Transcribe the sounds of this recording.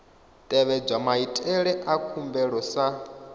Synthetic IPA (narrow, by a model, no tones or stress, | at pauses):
t̪ʼɛβɛb͡ʐʷamaitʼɛɺɛʔakʰumbɛɺɔsa